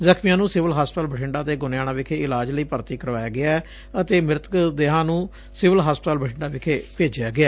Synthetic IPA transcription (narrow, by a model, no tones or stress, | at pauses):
zəkʰmɪjãːnũːsɪʋəlɦaːspt̪aːlbəʈʰɪɳɖaːt̪eːɡʊnjaːɽ̃ãːʋɪkʰeːɪlaːd͡ʒləiːpəɾt̪iːkəɾʋaːjaːɡɪaː | ət̪eːmɪɾt̪kd̪eːɦãːnũː | sɪʋəlɦaːspt̪aːlbəʈʰɪɳɖaːʋɪkʰeːpeːd͡ʒɪjaːɡɪaː